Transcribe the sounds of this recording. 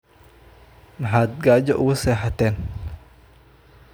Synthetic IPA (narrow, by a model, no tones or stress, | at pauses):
nɐɦaːd̪̚ɡaːd͡ʒɔʔʊɣʊsɛːħɐt̪ʰɛːn